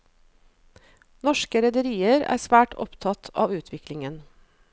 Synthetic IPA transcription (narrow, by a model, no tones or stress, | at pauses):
nɔʃkəɾɛd̪əɾiːəɾæ̰ːsʋæːʈʰɔ̰pt̪ʰɑt̪ʰɑːʋʉːt̪ʰʋɪklɪŋən